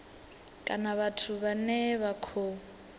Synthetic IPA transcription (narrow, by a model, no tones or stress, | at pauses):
kʼanaβatʰuβanɛβakʰo